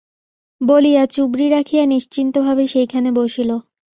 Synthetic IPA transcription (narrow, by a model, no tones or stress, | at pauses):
bolijat͡ɕubɾiɾakʰijaniʃt͡ɕint̪obʱabeʃejkʰaneboʃilo